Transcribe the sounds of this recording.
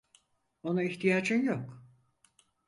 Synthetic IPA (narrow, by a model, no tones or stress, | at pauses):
onaiçt̪ʰijaːd͡ʒɯnjok